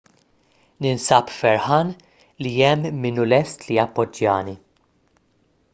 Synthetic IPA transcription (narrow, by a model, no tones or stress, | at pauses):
nɪnsɐpfɛɾħɐːn | liɛmːɪnulɛst̪lijɐpːɔd͡ʒːɐ̰ːni